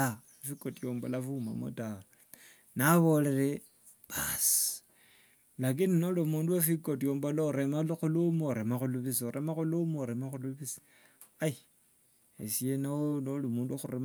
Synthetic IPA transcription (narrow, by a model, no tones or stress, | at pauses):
a | ifikotijombolafuma̰mo̰taa | naβo̞le̞ɾe | β̥asi̥ | lak̬ininolumuːnduwafikotjoːmbolauɾemalixulumuoɾemaxuluβisioɾʔemaxulumɾemaxuluβisi̥ | ai | esienaonolumuːnduxuɾem